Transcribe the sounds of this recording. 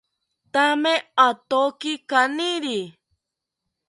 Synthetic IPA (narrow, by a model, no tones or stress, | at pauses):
t̪amẽat̪okikanĩɾi